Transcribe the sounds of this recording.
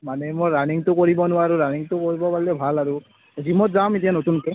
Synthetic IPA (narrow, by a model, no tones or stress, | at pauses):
manɛmojɹaniŋtʊkoɹibɔnʊwaɹuɹaniŋtʊkoɹibɔpaɹilɛbʱalaɹʊ | zimɔtzamet̬ijanotunkɛ